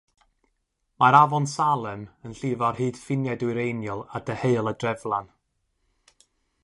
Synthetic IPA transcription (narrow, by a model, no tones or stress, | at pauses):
maɾavɔnsalˠɛmənɬɪvarhɨːd̥fɪnjadwɨɾejnjɔlˠadəheɨlˠədrɛvlˠan